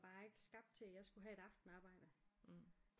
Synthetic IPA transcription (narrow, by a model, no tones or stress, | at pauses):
b̥ɑ̈ːe̝ɡ̥əsɡ̥ɑ̈b̥̚d̥̚t͡sʰe̝læjɑ̈ɪsɡ̥uɦæe̝ɾ̥ɑ̈fd̥n̩ɑ̈ːb̥ɑ̈ɪ̰d̥ə